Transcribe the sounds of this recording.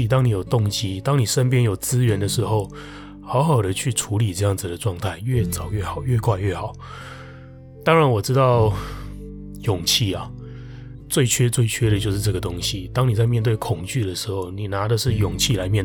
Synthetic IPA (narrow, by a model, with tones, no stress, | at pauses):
t̪̬ɑ˥ŋni˨˦jo˨˩ʊt̪ʊ˥˨˩ŋt͡ɕi˥t̪ɑ˥ŋni˨˩ʂə˦˥np̬jɛ˥njo˨˩ʊt͡sɹ̩˦ɥɛ˧˦nd̪ə˨ʂɻ̩˧˥xo˥˩ʊ | xɑ˧˥ʊxɑ˨˩ʊd̪ə˦t͡ɕʰy˥˩ʈ͡ʂʰu˧˥li˨˩ʈ͡ʂɤ˥˧jɑ˥˩ŋd͡zɹ̩˨˩d̪ə˩ʈ͡ʂwɑ˥˧ŋt̪ʰa˥˩ɪɥɛ˥˩t͡sɑ˨˩ʊɥɛ˥˩xɑ˨˩˦ʊɥɛ˥˧kʰwa˥˧ɪɥɛ˥˩xɑ˨˩˦ʊ | t̪ɑ˥ŋɻa˧˦nwɔ˨˩ʈ͡ʂɻ̩˥t̪ɑ˥˩ʊ | jʊ˨˩ŋt͡ɕʰi˥˩ɐ˨˩ | t͡swe˥˩ɪt͡ɕʰɥɛ˥t͡swe˥˩ɪt͡ɕʰɥɛ˥ɾə˨t͡ɕjo˥˧ʊʂɻ̩˥˧˩ʈ͡ʂɤ˥˩ɡə˩t̪o˥ŋɕi˨t̪ɑ˥ŋni˨˩t͡sa˥˧ɪmjɛ˥˧nt̪̬we˥˩ɪkʰʊ˨˩ŋt͡ɕy˥˩ɾə˩ʂɻ̩˧˥xo˥˩ʊni˨˩na˧˥d̪ə˨ʂɻ̩˥˩jʊ˨˩ŋt͡ɕʰi˥˨la˧˦ɪmjɛ˥˧n